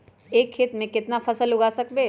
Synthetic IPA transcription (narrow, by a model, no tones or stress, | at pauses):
eːkʰːɪt̪mẽkɪt̪napʰɐsəlʊɡaːsɐkbeː